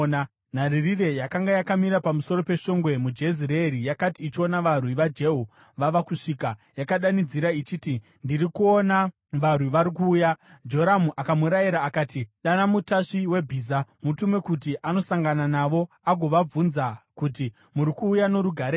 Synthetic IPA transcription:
na | n̤aririre̞jakaŋɡajakamiɾapamuso̞ɾo̞pe̞ʃo̞ŋɡwe̞mud͡ʒe̞ziɾeɾijakatiːt͡ʃio̞naʋarwiʋad͡ʒe̞ɦu | ʋaʋakuʂiːkajakaɗanid͡ziɾait͡ʃiːti | ndirikuona | ʋarwiʋaɾik̬uːjad͡ʒo̞ɾamuʔakamuɾajiɾaːkaːtiɗanamutaʂiwe̞bʱiːzamutumwe̞kutiʔanosaŋɡananaʋo̞ | aɡʱo̞ʋab͡vunzakuti | muɾikuːjano̞ɾuɡʱaɾeː

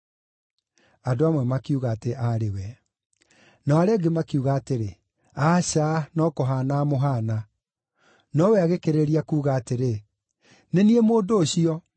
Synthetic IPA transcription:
adoamwɛmakiuɣaːteʔaɾewɛ | nɔaɾɛɡemakiuɣaːteɾe | aːɕanɔkɔɦanaːmoɦana | nɔwɛaɣekeɾeɾiakuːɣaːteɾe | neniemoːdoːɕiɔ

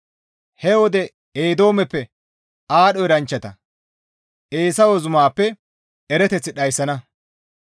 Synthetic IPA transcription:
hɛwɔd̪ɛ | eːd̪o̞ːmɛpːɛ | aːɗɔɪɾɐnt͡ʃːɐt̪ɐ̰ | ʔe̞ːsɐwɔzʊmaːpːɛ | ɛɾɛt̪ɛt͡sːɪɗɐjsːɐnɐ

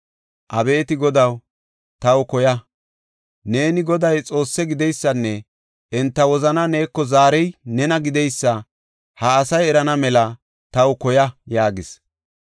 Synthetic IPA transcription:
ʔɐbe̞ːt̪ɪɡɔd̪ɐw | t̪ɐwkɔjɐ | ne̞ːnɪɡɔd̪ɐjt͡sʼo̞ːsːɛɡɪd̪ɛjsːɐnːɛ | ʔɛnt̪ːɐwɔzɐnɐne̞ːkːɔzaːɾɛjnɛnɐɡɪd̪ɛjsːɐ | hɐːsɐjɛɾɐnɐmɛlɐ | t̪ɐwkɔjɐjaːɡɪs

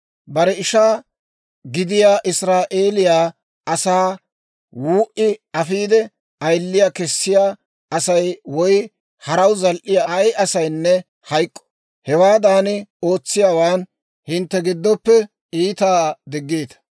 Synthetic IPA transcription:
bɐɾɛɪʃaː | ɡɪd̪ɪjaːʔɪsɾaːʔe̞ːlɪjaː | ɐsaː | wuːʔɪɐfiːd̪ɛ | ɐjlːɪjaːkɛsːɪjaː | ɐsɐjwɔj | hɐɾɐwzɐlʔɪjajʔɐsɐjnːɛ | hɐjkʼːɔ̥ | hɛwaːd̪aːnɪo̞ːt͡sːɪjaːwaːn | hɪnt̪ːɛɡɪd̪ːɔpːɛ | iːt̪aːd̪ɪɡːeːt̪ɐ̥

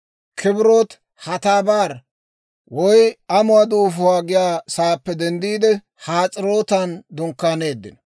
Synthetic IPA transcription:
kʰɪbɪɾot̪ | hɐt̪aːbaːɾ | wɔjɐmʊwad̪uːfʊwaːɡɪjaːsaːpːɛd̪ɛnd̪iːd̪ɛ | haːt͡sʼɪɾoːt̪ɐnd̪ʊŋkːaːneːd̪ːɪ̰nɔ

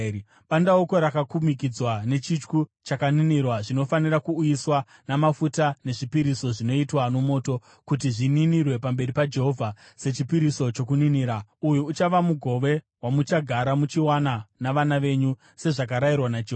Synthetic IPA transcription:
ɓandaoko̞ɾakakumik̬id͡zwane̞t͡ʃit͡ʃkut͡ʃakaninirwaʐino̞fanirakuːjiswanamafutane̞ʐipiɾiso̞ʐino̞itwano̞mo̞ːto̞ | kut̬iʐininirwe̞pambe̞ɾipad͡ʒe̞ɦo̞vʱa | se̞t͡ʃipiɾiso̞t͡ʃo̞k̬uniniːɾaujuːt͡ʃaʋamuɡʱo̞ʋe̞ | wamut͡ʃaɡʱaɾamut͡ʃiwananaʋanaʋe̞ɲu | se̞ʐak̬aɾajirwanad͡ʒeɦ

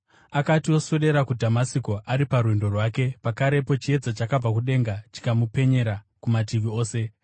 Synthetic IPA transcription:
akatio̞soɗe̞ɾakudʱamasiko̞ʔaɾiparwendo̞rwaːke̞pakaɾe̞po̞t͡ʃie̞d͡zat͡ʃakab͡vakuɗe̞ŋɡat͡ʃi̥kamupe̞ɲe̞ɾa | kumat̬iʋio̞ːse̞

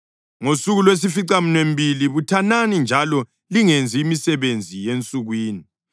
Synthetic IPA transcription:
ŋosuɣulwes̬ifiǀamunembʱiliβutʰananind͡ʒʱalɔ | liŋend͡zʱiːmisɛβend͡zʱijent͡sʼuɣwiːni

